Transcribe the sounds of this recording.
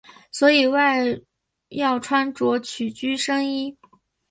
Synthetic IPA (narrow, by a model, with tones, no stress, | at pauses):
swɔ˧˥i˨˩wa˥˧ɪ | jɑ˥˩ʊʈ͡ʂʰwa˥nʈ͡ʂwɔ˧˥t͡ɕʰy˨˩t͡ɕy˥ʂɤ˥ŋi˥